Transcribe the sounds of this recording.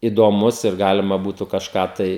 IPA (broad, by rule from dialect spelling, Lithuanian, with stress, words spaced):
ɪdoːˈmʊs ɪr ˈɡɑːlʲɪmɐ ˈbuːtʊ kɐʃˈkɑː tɐɪ